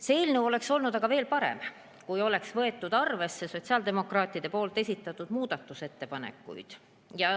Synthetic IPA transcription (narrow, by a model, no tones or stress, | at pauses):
seeːlnewo̞le̞kso̞lnud̪̥ɑɡ̥ɑve̞ːlpɑɾe̞̰m | kujo̞le̞ksvɤ̞e̞t̪ːˑud̪̥ɑrve̞sːe̞so̞t̪ʲsiɑld̪̥e̞mo̞krɑːt̪ːˑid̪̥e̞po̞ːlt̪ːˑe̞sʲit̪ːˑɑt̪ːˑud̪̥muːd̪̥ɑt̪ːˑuse̞t̪ːe̞pɑnḛkːˑṵjd̪̥ | jɑ